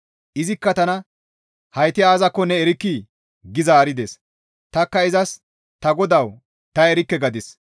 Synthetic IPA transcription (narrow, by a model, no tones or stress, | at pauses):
ʔɪzɪkːɐt̪ɐnɐ | hɐjt̪ɪaːzɐkːɔnɛɛɾɪkːi | ɡɪzaːɾɪd̪es | t̪ɐkːɐɪzɐs | t̪ɐɡɔd̪ɐw | t̪ɐɛɾɪkːɛɡɐd̪ɪs